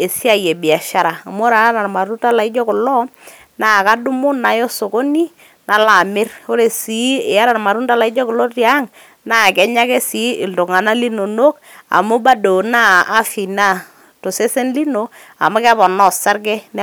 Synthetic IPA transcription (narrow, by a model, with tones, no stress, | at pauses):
e˨si˦a˨je˨bi˨a˨ʃa˦ɾaː˨mo˦ɾa˨˦na˨rma˨ɾu˦nta˦la˨ɪ˦d͡ʒɔ˦kɔ˨lɔ˦ | naː˦˨ka˦du˦mʊ˦na˨jɔ˦so˨ko˦ni˦ | na˨la˨mɪ˦ro˦ɾe˨si˨˦˨a˦ɾa˨rma˨ɾu˦nta˦la˨ɪ˦d͡ʒɔ˦kɔ˨lɔ˦tja˦ŋ | na˦˨kɛ˦ɲa˦ke˦si˨˦˨lto˨ŋa˨na˦li˦no˨no˦k | a̰˨mʊ˦ba˦do˨naː˦fi˨na˦˨ | to˨se˦se˦nli˦no˨ | a̰˨mʊ˦kɛ˦pɔ˨nɔ˦sa˦ɾɡɛ˦n